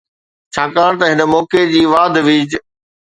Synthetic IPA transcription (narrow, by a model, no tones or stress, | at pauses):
t͡ɕʰaːkaːɽ̃t̪ɐɦɪnə̆mɔːked͡ʑiːʋaːd̪ʱʋiːd͡ʑ